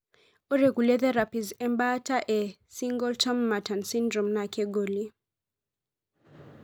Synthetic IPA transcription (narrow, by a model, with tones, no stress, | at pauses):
ɔ˦ɾeɡu˨lɛ˦ðɛɾa˨pi˨zɛ˦mbataʔɛ | siŋɡɔ˦ltɔ˦mːa˨ta˨nsindɾɔ˨mnakɛ˦ɡɔli